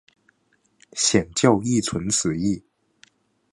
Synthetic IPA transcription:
ɕjɛ˨˩nt͡ɕjɑ˥˧ʊi˥˩t͡sʰwə˧˥nt͡sʰɹ̩˨˩˦i˥˩

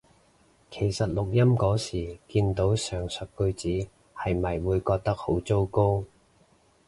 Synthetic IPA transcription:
kʰe˨˩jsɐ˨t̚lʊ˨k̚jɐ˥mkɔː˨˥siː˨˩kiː˧nt̪o˨˥wsœː˨˩ŋsœ˨t̚kɵ˧ɥt͡siː˨˥ | hɐ˨jmɐ˨jwuː˨˧jkɔː˧k̚t̪ɐ˥k̚ho˨˥wt͡so˥wko˥w

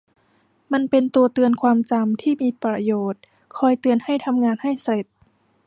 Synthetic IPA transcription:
ma˧npe˧nt̪u˧ɐt̪ɯ˧ənkʰwaː˧mt͡ɕa˧mt̪ʰiː˥˩miː˧pɾa˧joː˨˩t̪̚ | kʰɔː˧jt̪ɯ˧ənha˥˩jt̪ʰa˧mŋaː˧nha˥˩jsa˧le˨˩t̪̚

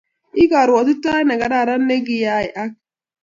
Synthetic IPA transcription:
i˦ɡa˨ɾwa˨tu˦ta˦i˦na˨ɡa˨da˦˨ɾa˦nːe˦ɡi˦ja˦i˨ʔa˦k̚

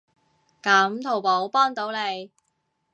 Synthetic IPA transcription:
kɐ˨˥mt̪ʰo˨˩wpo˨˥wpɔː˥ŋt̪o˨˥wle˨˧j

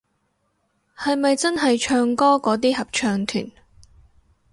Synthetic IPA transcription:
hɐ˨jmɐ˨jt͡sɐ˥nɦɐ˨jt͡ʃʰœː˧ŋkɔː˥kɔː˨˥t̪̬iː˥hɐ˨p̚t͡ʃʰœː˧ŋt̪ʰy̰ː˨˩n

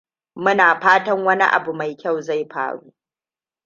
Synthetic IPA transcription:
mʊ˦naː˨ɸaː˦tɐ˦ŋwɐ˦nḭ˦ʔa̰˨bu˨ma˨jkʲa˦˨wza˦˨jɸa̰ː˦˨ɽṵː˦

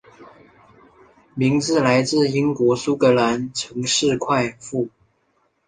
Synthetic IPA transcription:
mi˧˥ŋt͡sɹ̩˥˩la˧˥ɪt͡sɹ̩˥˩i˥ŋkwɔ˧˥su˥kɤ˧˥la˧˥nʈ͡ʂʰɤ˧˥ŋʂɻ̩˥˧kʰwa˥˧ɪfu˥˩

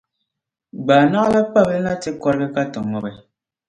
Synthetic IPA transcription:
ɡ͡baː˨na˦ɣa˦la˦k͡pa˦˨blɛ˦na˦ti˦kɔ˦ɾɡɛ˦ka˦tɔ˨ŋɔ˨bɛ˨

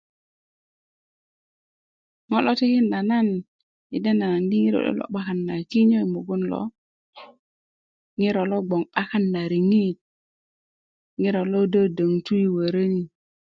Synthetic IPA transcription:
ŋo˦lo˦ti˦ki˦nɗa˨na˦n | i˨de˦na˨na˨ndi˦ŋi˦ɾo̰˨ɗo̰˦lo̰˦ɓa˦ka˦nːa˨ki˦ɲo˦i˨mo˨ɡu˦nlo̰˨˦ | ŋi˦ɾo˨lo˦ɡ͡bo˨ŋɓa˦ka˦nːa˨ɾi˨ŋi˦t̚ | ŋi˦ɾo˨lo˦də˦də˨ŋtu˦i˦wə˨ɾə˦ŋi˨

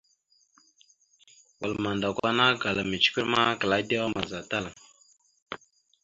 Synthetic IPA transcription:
wə̰˨lma˨nda˨kʷa˦na˦ɡa˨la˨mi˨t͡ʃkʷi˦ɾma˦kə˨la˦de˦wa˦ma˨za˨ta˦la˨ŋ

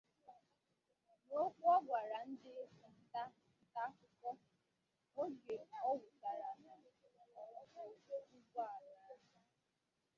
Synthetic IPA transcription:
no˦k͡pɔ˦ɡʷa˨ɾa˨n̩˦dɪ˦ʊ˨n̩˦ta˦ | n̩˦ta˦kʊ˨kɔ˦ | o˦d͡ʒe˨ɔ˦ɡʊ˨ka˨ɾa˨˦˨ | o˨o˦ɡɔ˦a˨ʊ˨˦kɔ˨

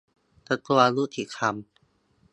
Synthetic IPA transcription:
t̪a˧˩t̪ʰu˧a˧lu˦˥t̪ʰi˨˩kʰa˧m

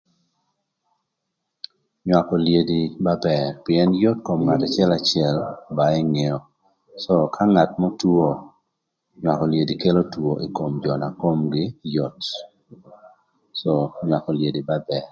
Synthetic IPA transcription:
ɲwa˨kɔ˨lje˨di˨ba˦bɛ˨rpɪ˨ɛ˦njɔ˦tko˨mŋata˨t͡ʃɪ˦ɛ˦lat͡ʃɪɛ˦lba˨ɛ˦ŋe˨ɔ˨ | sɔ˦kʰa˦ŋa˨tmɔ˦two˦ | ɲwa˨kɔ˨lje˨di˨ke˦lo˦two˨ʔi˨ko˨md͡ʒɔ˨na˨ko˦mɡɪ˦jɔ˨t | sɔ˨ɲwa˨kɔ˨lje˨di˨ba˦bɛ˨ɾ

